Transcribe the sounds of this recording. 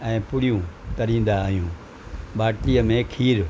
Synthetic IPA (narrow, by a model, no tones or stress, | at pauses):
ɛ̃ːpʊɽijũt̪ɐɾĩːn̆d̪aːɦijũː | ɓaːʈlijəmẽkʰiːɾ